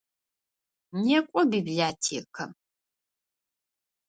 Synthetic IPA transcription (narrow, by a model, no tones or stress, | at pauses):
nekʷʼɔbibɮaːtʰḛkʰɐ